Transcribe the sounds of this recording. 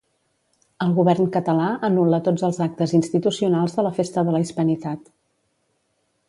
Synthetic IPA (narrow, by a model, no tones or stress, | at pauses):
əlˠɣuβɛrnkət̪əlaənulət̪od͡zəlˠzak̚t̪əzinst̪it̪usiunalˠzðələfest̪əðələispənit̪at̪